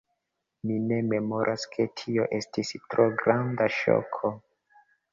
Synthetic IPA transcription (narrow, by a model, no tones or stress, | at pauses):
mine̞me̞mo̞ɾʔaskʰe̞tʰio̞ʔe̞stistɾoɡɾandaʃo̰kʰo